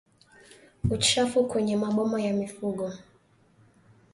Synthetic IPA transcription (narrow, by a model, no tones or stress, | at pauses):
ut͡ʃafukwɛɲɛmaɓɔmajamifuɠɔ